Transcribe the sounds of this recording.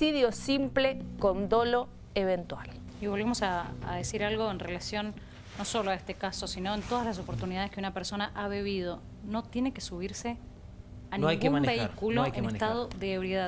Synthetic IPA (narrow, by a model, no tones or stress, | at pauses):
iðjosimplekond̪olo̞ | eβent̪wal | iβo̞lβemo̞sa̰ːðesiɾalɣo̞enrelasjo̞nː | osoloaest̪ekaso̞sino̞ent̪oð̞azlas̬opo̞ɾt̪uniðað̞eskeunapeɾso̞naʔaβeβið̞o̞ | no̞t̪je̞nekesuβ̞iɾse | aniajŋɡkɡumamnbeikuloʔeneest̪aðoðeːβɾjeðað